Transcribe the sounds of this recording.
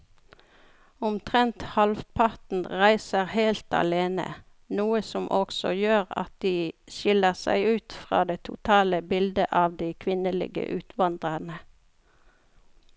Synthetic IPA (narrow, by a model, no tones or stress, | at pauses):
ʊmt̪ʰʁɛnt̪hɑlfpʰɑt̪n̩ʁæɪsəʁheɪlt̪ɑ̰leːnə̰ | nuːəsɔmʔɔksɔ̰jøːʁɑ̰t̪̚d̪iːʃɪləʁsæ̰ɪʉːt̪fʁɑ̰ːd̪eːt̪ʰʊt̪ʰɑːləbɪld̪əʔɑːʋd̪iːkʰʋɪnəlɪ̰ɡə̰ʔʉːt̪ʰʋɑnd̪ʁənə